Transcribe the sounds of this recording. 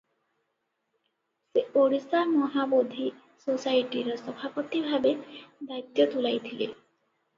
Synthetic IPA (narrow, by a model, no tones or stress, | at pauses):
seoɽisamɔɦabod̪ʱi | sosajʈiɾɔsɔbʱapɔt̪ibʱabed̪ait̪jɔt̪ulajt̪ʰile